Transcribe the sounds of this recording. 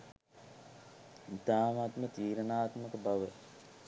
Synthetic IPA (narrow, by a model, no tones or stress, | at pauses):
it̪aːmat̪mət̪iːɾənaːt̪məkəbaʋe